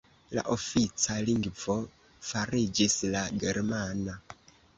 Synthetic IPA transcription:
la̰ʔofit͡saliŋɡvo | faɾid͡ʒislaɡeɾmana

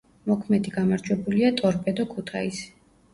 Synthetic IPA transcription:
mɔkʰmɛd̪iɡamaɾd͡ʒwɛbuliat̪ʼɔɾpʼɛd̪ɔkʰut̪ʰaisi̥

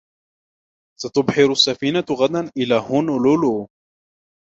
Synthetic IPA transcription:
sat̪ʊbħɪɾʊsːafiːnaɣad̪anʔɪlaːhʊnlʊlu

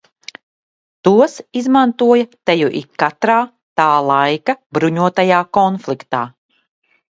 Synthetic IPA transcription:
t̪uɔsizmant̪uɔjɐt̪ɛjuʔikkːat̪ɾaː | t̪aːlˠajkabɾuɲuɔt̪ajaːkɔnflˠikt̪aː

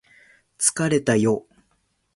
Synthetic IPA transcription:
t͡sɨ̥kaɾe̞t̪ajo̞ː

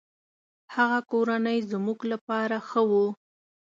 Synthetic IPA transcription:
haɣakoɾanəjzmuɡlapɑɾaxəwu

